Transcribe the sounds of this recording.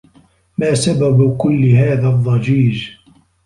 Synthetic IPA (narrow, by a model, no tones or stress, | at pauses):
maːsababkʊlːɪɦaːðaðˤːɑd͡ʒiːd͡ʒ